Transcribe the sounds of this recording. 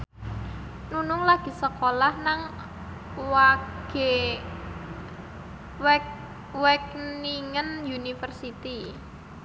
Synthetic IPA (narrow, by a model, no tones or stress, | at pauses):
nunʊŋlaɡ̥i̤səkolahnaŋ | waɡ̥e | wɛkniŋənjunifərsit̪i